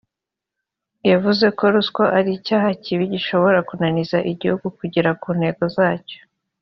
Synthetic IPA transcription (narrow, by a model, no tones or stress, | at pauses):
javuze̞ko̞ɾusko̞ʔaɾicaːɦaciβiɟiʃo̞βo̞ɾakunanizaʔiɟihuɡukuɟiɾakuːn̥he̞ɡo̞zaːco̥